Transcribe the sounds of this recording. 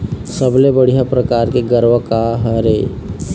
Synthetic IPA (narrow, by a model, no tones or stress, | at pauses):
səblebəɽ̤ijapɾɐkaːɾkeɡəɾwəkaɦɛɾeː